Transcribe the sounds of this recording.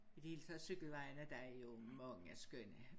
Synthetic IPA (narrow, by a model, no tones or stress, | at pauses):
id̥ieːlt͡sʰæsyɡ̥l̩ʋɑ̈ɪnəd̥æjo̝mɒ̽ŋn̩æsɡ̥øn̰ə